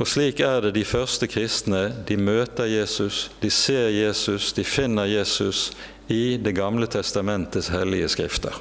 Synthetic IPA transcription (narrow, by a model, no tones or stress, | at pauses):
ɔsliːkæʁd̪ɛːd̪ɪfœʁst̪əkʰʁɪst̪nəd̪imøːt̪əʁjeːsʉsd̪̥iseːʁjeːsʉsd̪̥ifɪnːəʁjeːsʉs | ɪːd̪ɛɡɑmlət̪ʰɛst̪ɑmɛnt̪əshɛlɪəskʁɪ̰ft̪ʰə̰ʁ